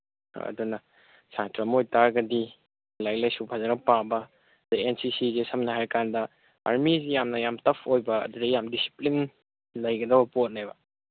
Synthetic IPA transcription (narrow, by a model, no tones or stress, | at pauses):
ɐ̰dunɐ | sʰantɾɐmojtaɾɡɐdi | lajlɐjsupʰazɐnɐpabɐ | dɐensisizesɐmnɐɦajkandɐ | a̰ɾmizijamnɐjamtɐpʰojbɐ̰ːdudejamdisi̥plin | lɐjɡɐdɐbɐpot̚nabɐ